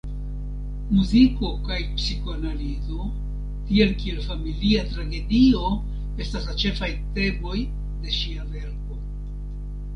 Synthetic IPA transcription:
muziko̞kajpsikoanalizo̞ | tie̞lkie̞lfamiliatɾaɡe̞dio̞ | e̞staslat͡ʃe̞fajte̞bo̞j | de̞ʃiave̞ɾko̞

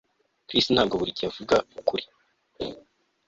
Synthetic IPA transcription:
kɾistin̥haːb̚ɡoβuɾicijavuɡaukuɾi̥

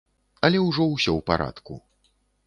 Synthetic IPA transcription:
ɐlʲɛwʐɔwsʲɔwpa̰ɾʔa̰t̪kṵ

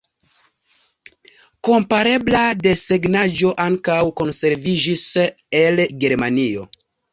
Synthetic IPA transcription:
ko̞mpaɾe̞blade̞seɡnad͡ʒo̞ʔaŋkawko̞nse̞ɾvid͡ʒis | e̞lɡe̞ɾmanio̞̰

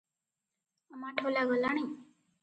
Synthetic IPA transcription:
əmaːʈʰolaːɡʱəlaːɳ̃ĩː

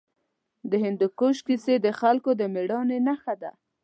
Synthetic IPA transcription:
d̪əɦɪnd̪ʊkoʃkised̪əxalkod̪əmeɽɑnenaxad̪a̰

